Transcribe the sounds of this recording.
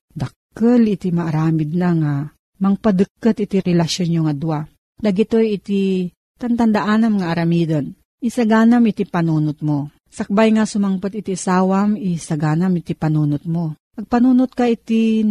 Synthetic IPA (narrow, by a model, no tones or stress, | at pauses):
d̪ɐkː | əlɪt̪imaʔːɾaːmɪd̪̚naŋa | mɐŋpad̪ɨkːɐt̪ɪt̪iɾɛlɐʃonjoŋad̪uwa | d̪ɐɡɪt̪ojɪt̪i | t̪ɐnt̪ɐnd̪aʔanamŋaʔːɾɐmiːd̪on | ʔisaɡaːnamɪt̪ipɐnuːnʊt̪̚mo | sɐk̚bajŋasʊmaŋpat̪ɪt̪isaːwamisɐɡaːnamɪt̪ipɐnunʊt̪̚mo | ɐɡ̚pɐnuːnʊt̪̚kaʔit̪i